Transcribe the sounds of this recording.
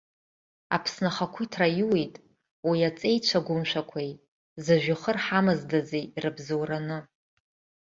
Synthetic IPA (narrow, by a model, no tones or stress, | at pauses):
apʰsnaχakʷʰitʰrajuwejtʼ | wiat͡sʼe̞jt͡ɕʷʰaɡʷʊmʃʷᶣakʷʰaj | zaʒᶣʊχərħamɨzdazejrɨbzowranɨ